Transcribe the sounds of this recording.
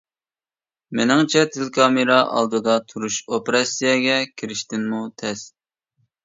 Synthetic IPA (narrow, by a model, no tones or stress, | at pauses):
mɪnɪŋt͡ʃʰɛt̪ʰɪlkʰɑmɨɾɑʔɑ̰lˠd̪ɨd̪ɑt̪ʰuɾuʃopeɾɑsijɛɡʲɛkʲʰiɾɪʃt̪ɪnmut̪ʰɛs